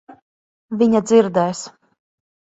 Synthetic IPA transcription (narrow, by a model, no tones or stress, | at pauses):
vʲiɲad̪ziɾd̪ɛjs